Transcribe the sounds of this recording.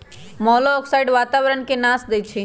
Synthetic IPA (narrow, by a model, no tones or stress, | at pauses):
mɔːloːksaːɪɖʋaːt̪aːʋɾənkenaːsd̪et͡ʃʰi